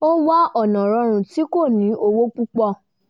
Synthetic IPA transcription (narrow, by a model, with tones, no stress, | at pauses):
o˦wa˦ɔ˦˨nɔ̃˨ɾɔ̃˨˧˦ɾ̃ũ˨ti˨˦ko˦˨nĩ˨˦ʔo˧wo˦k͡pu˦k͡pɔ˦˨